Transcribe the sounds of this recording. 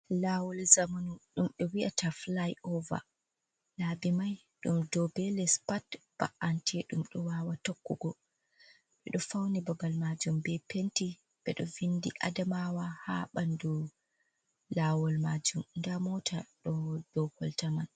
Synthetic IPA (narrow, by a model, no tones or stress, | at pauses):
laːwɔlzamanuɗumɗɛwiʔataflajɔva̰ | labimaj | ɗumdɔbɛlɛspatb̥a̰ʔantʰɛɗumɗɔwawatokːuɡɔ | ɓɛɗɔfawnibabalmad͡ʒumbɛpenti | ɓɛɗɔvindḭʔa̰damawaha̰ɓandu | lawɔlmad͡ʒumndamɔtʰaɗɔd̥ɔkɔltaman